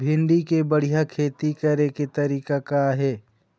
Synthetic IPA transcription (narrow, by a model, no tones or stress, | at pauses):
bʱɪ̃nɖikebəɽ̤ijakʰeːt̪ikəɾeket̪ɐɾiːkakaɦɛː